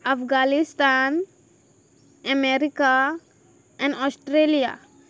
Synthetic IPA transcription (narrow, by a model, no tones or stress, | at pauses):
afɡalist̪an | əmeɾika | ɛ̃ɳɖɔsʈɾelija̰